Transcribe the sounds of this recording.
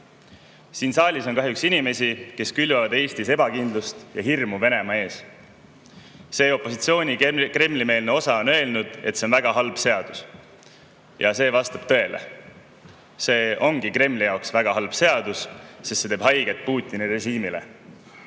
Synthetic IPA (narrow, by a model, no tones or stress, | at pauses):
siːnsɑːlʲiso̞nkɑɦjuksinime̞sʲike̞skylvɑvɑd̪e̞ːst̪ise̞bɑkind̪lust̪jɑɦirmuve̞ne̞mɑe̞ːs | se̞ːo̞pːˑo̞sit̪sio̞ːnʲikre̞mːlime̞ːlne̞o̞sɑo̞nø̞elnud̪̥e̞t̪se̞o̞nvæɡ̥ɑɦɑlb̥se̞ɑd̪̥us | jɑse̞ːvɑst̪ɑb̥t̪ɤ̞e̞lḛ | se̞ːʔo̞ŋɡ̥ikrɾe̞mlijɑoksvæɡ̥ɑɦɑlb̥se̞ɑd̪ussest̪se̞t̪eːb̥ɦɑjɡ̥e̞t̪̚ˑpuːt̪ʲˑːinire̞ʒiːmile̞̰